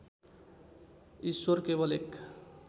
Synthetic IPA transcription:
iswʌrkebʌlek

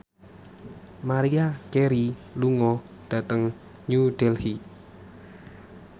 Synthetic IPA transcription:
maɾiakeɾiluŋɔ | ɖ̥ä̤t̪əŋ | ɲud̥ɛlhi

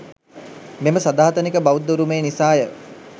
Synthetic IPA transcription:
meməsad̪aːɦt̪ənikəbaʋud̪ːuɾumeːnisaːjə

